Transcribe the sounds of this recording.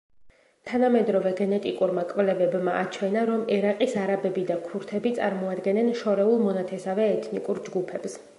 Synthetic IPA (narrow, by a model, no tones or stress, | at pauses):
t̪ʰanamɛd̪ɾɔvɛɡɛnɛt̪ʼikʼuɾmakʼvlɛvɛbmaʔat͡ʃʰwɛnaɾɔmɛɾaqʼisaɾabɛbid̪akʰuɾt̪ʰɛbit̪sʼa̰ɾmɔad̪ɡɛnɛnʃɔɾɛulˠmɔnat̪ʰɛsavɛːt̪ʰnikʼuɾd͡ʒɡupʰɛps